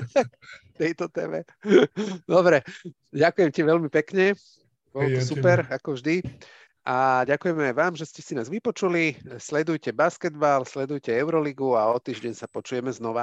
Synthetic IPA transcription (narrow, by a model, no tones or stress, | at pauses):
akt̪ɛjt̪ɔt̪ɛːmɛ̰ | d̪ɔbɾɛ | ɟakujɛmciʋɛlmipɛkɲɛ | bɔlt̪ɔsupɛɾakɔvʒd̪i | ʔaɟakujɛmɛajʋaːmʒɛscɛsinaːzʋipɔt͡ʃulislɛd̪ujcɛbaskɛd̪balslɛd̪ujcɛɛʊɾɔliɡuaɔt̪iːʒɟɛɲsapɔt͡ʃujɛmɛznɔʋa